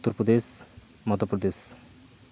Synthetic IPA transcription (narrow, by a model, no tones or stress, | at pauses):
t̪ːuɾpɾod̪es | mɔd̪ʱopɾod̪es